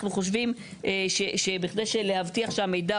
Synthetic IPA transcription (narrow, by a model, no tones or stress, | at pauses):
χnuχo̞ʃ̬vimʔeʃeʃebiχd̪ejʃele̞havt̪iaχʃeame̞jda